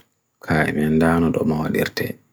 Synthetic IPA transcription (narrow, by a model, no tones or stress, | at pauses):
kʰaːɛ̰mɛndaːnɔɗɔmawaɗiɾtɛ̰